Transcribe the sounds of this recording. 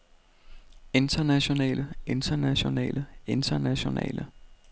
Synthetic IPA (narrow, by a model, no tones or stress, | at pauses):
e̝nd̥ʰɐnæɕo̝nɛ̰ːləe̝nd̥ʰɐnæɕo̝nɛ̰ːləe̝nd̥ɐnæɕo̝nɛ̰ːlə